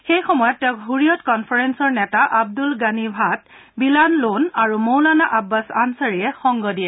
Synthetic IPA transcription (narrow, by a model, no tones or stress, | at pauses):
xejxɔmɔjɔtːɛʊ̃kɦuɹijɔtkɔnpʰaɹɛnsɔɹnɛtaʔab̚dulɡanibʱat̚ | bilanlonaɹumowlanaʔabːasansaɹijɛxɔŋɡɔdiɛ